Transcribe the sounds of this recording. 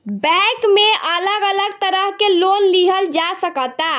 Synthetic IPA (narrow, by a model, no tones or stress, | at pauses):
bɛ̃kmeʔələɡələɡ̚t̪əɾəɦkelonliɦəld͡ʒasəkət̪a